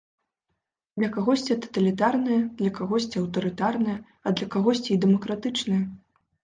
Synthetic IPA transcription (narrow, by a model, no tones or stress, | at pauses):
d̪̥lʲɐkaɣɔsʲt͡sʲit̪ɐ̥t̪ɐlʲit̪arnɨjɐd̪̥lʲɐkaɣɔsʲt͡sʲiɐwt̪ɐɾɨt̪arnɐjɐ | ɐd̪lʲɐkaɣɔsʲt͡sʲiid̪ɛmɐkɾat̪ɨt͡ʂnɨjɐ